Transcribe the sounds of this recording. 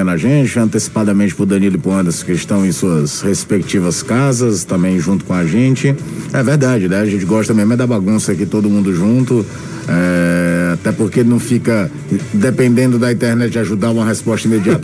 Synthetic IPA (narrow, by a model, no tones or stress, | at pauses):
nɐʒẽt͡ʃɪɐ̃nt̪esi̥pad̪ɐmẽt͡ʃɪpʊɾd̪ɐ̃nilʊɪpuɐ̃nd̪ɐskɪɪʃt̪ɐ̃w̃ẽj̃suɐshespek̚t͡ʃivɐskazɐst̪ɐ̃mbẽj̃ʒũnt̪ʊ̥kõaʒẽt͡ʃɪɛveɾd̪ad͡ʒɪnɛaʒẽnt͡ʃɪɡɔʃt̪ɐmemɛd̪ɐbaɡũsɐkit̪od̪ʊmũnd̪ʊʒũnt̪ʊ | ɛat̪ɛpoɾkenɐ̃w̃fikɐ | d̪epẽnd̪ẽnd̪ʊd̪ɐĩt̪ɛɾnɛt͡ʃd͡ʒɪaʒud̪aɾũmɐɦespɔst̪ɐĩmed͡ʒiat̪